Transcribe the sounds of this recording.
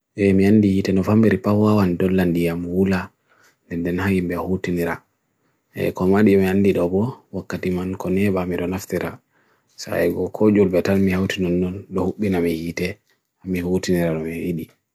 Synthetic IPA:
ʔɛmiandihitɛnɔfambeɾipawawandɔlːandijamwula | ndɛndɛnhajimbɛhutiniɾa̰ | ɛ̰kɔmaɗiɛmianːdiɗɔbɔwakːatimankɔnɛɓamiɗɔnaftiɾa̰ | sa̰ɛɡɔkʰɔd͡ʒulbɛtalmihawtinɔnːɔnɗɔhuɓːinamihiːtɛ | amihutiniɾaɗɔmɛwiɗi

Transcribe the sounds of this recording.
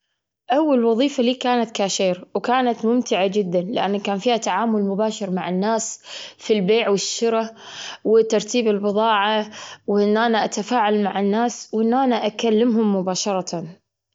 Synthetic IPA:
ʔawːalwɑðˤiːfaliːkaːnat̪kaːʃeːɾwkaːnat̪mʊmt̪ɪʕad͡ʒɪd̪ːanlɪʔa̰nːkaːnfiːhat̪aʕaːmʊlmʊbaːʃɪɾmaʕɪnːaːsfilbeːʕwɪʃːʊɾawɪt̪ːɑɾˤt̪iːbɪlbɨðˤɑːʕawʔɪnːʔanaʔat̪afaːʕalmaʕɪnːaːswʔɪnːʔanaʔakalːɪmɦʊmːʊbaːʃɑɾˤɑt̪an

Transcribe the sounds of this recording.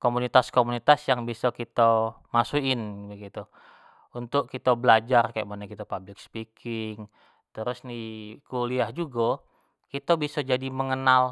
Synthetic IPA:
komunit̪askomunit̪asjaŋbisɔkit̪amasuɪnbəɡit̪u | unt̪ʊkkːit̪abəlad͡ʒarkajaʔmanakit̪apablɪk̚spikʰɪŋ | t̪əɾʊsnikuliahd͡ʒuɡɔ | kit̪abisɔd͡ʒadiməŋənal

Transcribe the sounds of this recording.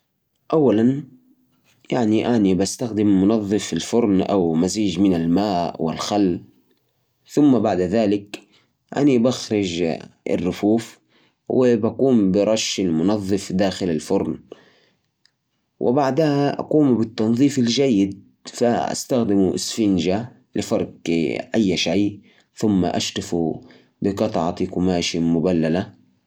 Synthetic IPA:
ʔawːalan | jaʕniʔanibast̪axd̪ɪmːʊnɑðˤːɨfɪlfʊɾˤnʔa̰wmaziːd͡ʒmɪnalmaːʔwɪ̰lxalː | θʊmːabaʕd̪ðaːlɪk | ʔa̰nibaxɾˤɪd͡ʒɪ̰rːʊfuːf | wɪbakuːmbɪɾˤɑʃːɪlmʊnɑðˤːɨfd̪aːxɪlalfʊɾˤn | wʔɪ̰baʕd̪ahaʔa̰quːmbɪt̪ːɑnðˤiːfald͡ʒajːɪd̪̚ | faʔa̰st̪axd̪ɪmuʔɪsfɪnd͡ʒa | lɪfɑɾˤqʔajːʃaj | θʊmːa̰ʔa̰ʃt̪afṵ | bɪqɑt̪ˤʕɑt̪ˤikʊmaːʃɪmʊbalːala

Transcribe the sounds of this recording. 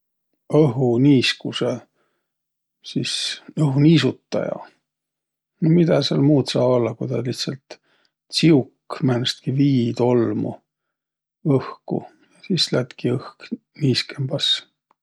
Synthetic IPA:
ɤɦuniːskuse | sisɤɦuniːsut̪ːɑ̰jɑ̰ | nomid̪̥ɑselmuːt̪sɑːbo̞lːɑkujd̪ɑliht̪sɑlt̪ | siukːmænst̪̚kiviːt̪o̞lmṵ | ɤhkṵ | jɑsislæt̪kiɤhk | niːskembɑs

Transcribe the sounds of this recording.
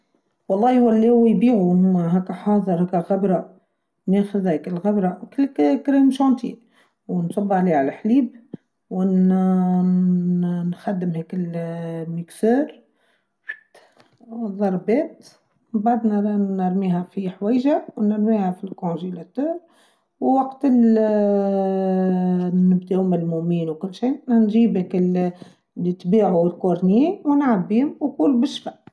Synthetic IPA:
wɑlˤːɑːiwælːihʊwːæjbiːʕuhʊmɦækːæħɑːðˤəɾˤhɛkːælɣabɾˤɑ | nɛːxəðhɛkɪlɣabɾˤɑkɪlkkɾiːmʃɑːnt̪ḭ | wnsˤɑbːɑʕliʕalæħliːb | w | nxad̪ːəmhɛkɪlməksɛːɾ | ðˤɑɾˤbɛːt̪ | baʕd̪nænəɾˤmiːɦæfiħwɛːjʒawnəɾmiːhæfilkoʒilæt̪uːɾ | wwɑqt̪ɪl | nɪbd̪ehʊmɪlmʊʔmiːnwkʊlːʃiːnʒiːbhɛkɪl | lit̪biːʕuɪlkoɾˤniːwnʕabːiːhʊmwkulbɪʃːfaʔ

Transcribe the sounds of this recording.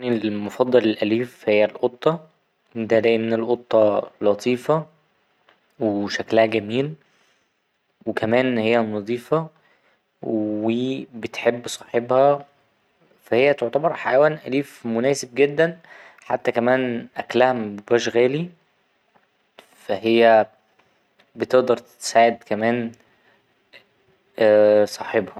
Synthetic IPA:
nilmofɑd̪ˤːɑlelʔæliːfhejːælʔot̪ˤːɑ | d̪æd̪æːʔimenelʔot̪ˤːɑlɑt̪ˤʰiːfɑ | weʃæklæhæɡæmiːl | wekæmæːnhejːænːɑðˤiːfɑ | wwibet̪ħebːsˤɑ̥ːħebhæ | fæhejːæt̪oʕt̪æbɑɾˤħajæwæːnʔæliːfmʊnæːseb̚ɡed̪ːæn | ħa̰t̪ːækæmæːnʔæklæhæmbæʃɣæːli | fæɦejːæ | bet̪eʔd̪ɑɾˤt̪e̥saːʕed̪kæmæːn | sˤɑːħebhɑ

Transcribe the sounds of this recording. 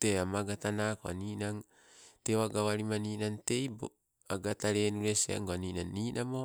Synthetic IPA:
teamaɡatanakoa̰niːnaŋ | tewaɡawaɾimaniːnaŋte̞jbo | aɡataɾenuɾesea̰ŋɡoaninanːiːnʔamo

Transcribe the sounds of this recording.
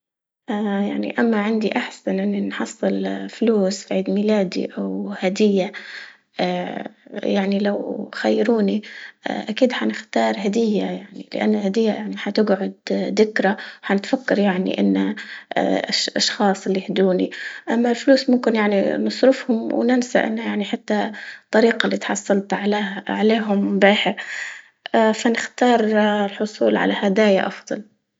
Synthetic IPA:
ʔajaʕnḭʔamːaʕɪnd̪iʔaħsanʔɪnːinħɑsˤːɨlfluːsfʕiːd̪milaːd̪ḭʔawhad̪ɪjːa | jaʕnilawxajːɾuːniʔakiːd̪ħanɪxt̪ɑːɾˤɦad̪ɪjːajaʕnḭlɪ̰ʔa̰nːalhad̪ɪjːajaʕniħat̪ɪɡʕʊd̪ːɪkɾawħanɪt̪fakːɑɾjaʕnḭʔɪn̰ː | ʔʃʔɑʃxɑːsˤɪlːihd̪uːnḭʔamːalfluːsmʊmkɪnjaʕnḭnɨsˤɾɪfhʊmwnɪnsa̰ʔɪ̰nːajaʕniħat̪ːat̪ˤːɑɾiːqɑlːiːt̪ħɑsˤːɑlt̪ʕaʕaleːɦʊmbaːħɪɾ | ʔafanɪxt̪ɑːɾˤlħʊsˤṵːlʕa̰lahad̪aːjaʔɑfd̪ˤɑl

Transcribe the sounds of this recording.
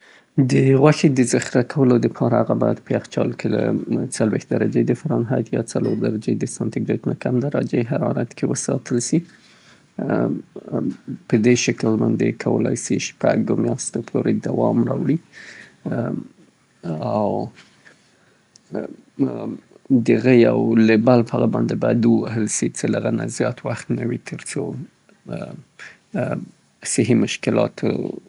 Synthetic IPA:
d̪əɣwaxed̪əzaxɾakʰawəlod̪əpʰɑɾaaɣabɑjad̪̚pəaxt͡ʃɑlkʰela̰t͡salwext̪̚d̪aɾad͡ʒed̪əfaɾɑnɦat̪jɑt͡saloɾd̪aɾad͡ʒed̪əsant̪ɪɡɾet̪unakamd̪aɾad͡ʒeɦaɾɑɾat̪kʰewəsɑt̪ʰəlsi | pəd̪eʃəkəlmand̪ekʰawə̰lɑ̰jsiʃpaɡomjɑst̪opʰoɾed̪awɑmɾɑwɽi | aw | d̪əɣəjawlebalpaɣabɑnd̪ebad̪uwaɦəlsit͡səlaɣanazjɑt̪waxt̪nawit̪ʰəɾt͡so | sɪɦimʊʃkɪlɑ̰t̪ʰo̰

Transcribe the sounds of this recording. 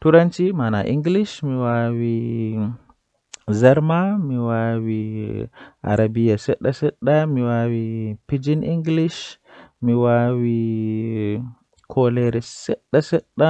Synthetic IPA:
tuɾant͡ʃimanaʔiŋɡliʃmiwawi | zaɾmamiwawi | a̰ɾabijaseɗasəɗamiwawipid͡ʒinʔiŋɡliʃ | miwawi | kʰoleɾeseɗːasəɗːa

